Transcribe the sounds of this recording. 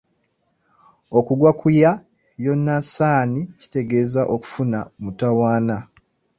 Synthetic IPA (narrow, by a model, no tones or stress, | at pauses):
o̞kuɡwakʰuja | jo̞nːasaːnici̥te̞ɡe̞ːzaʔo̞ku̥funamutawaːna